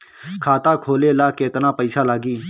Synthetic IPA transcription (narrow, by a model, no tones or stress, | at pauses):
kʰaːt̪aːkʰoːleːlaːkeːt̪nãːpəɪsaːlaːɡiː